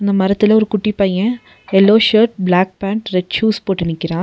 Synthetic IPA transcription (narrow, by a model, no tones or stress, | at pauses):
ɪnd̪ɐmɐɾɐt̪ːɪlɐɔɾɯkʊʈːipɐjɐ̃ | ɛlːoːʂɐɾʈ̚blaːk̚paːɳʈɾɛʈt͡ʃuːspoːʈːɪnɪkːɪɾãː